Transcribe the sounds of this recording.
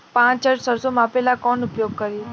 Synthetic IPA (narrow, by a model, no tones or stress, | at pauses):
pãt͡ʃt͡ʃəɾsəɾsomãpelakɔnʊpjoɡ̚kəɾi